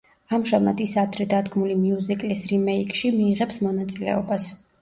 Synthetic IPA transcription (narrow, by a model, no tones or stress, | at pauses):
amʒama̰d̪isad̪ɾɛd̪ad̪ɡmulimiuzikʼlisɾimɛikʼʃimiːʁɛpsmɔnat̪sʼilɛ̰ɔbas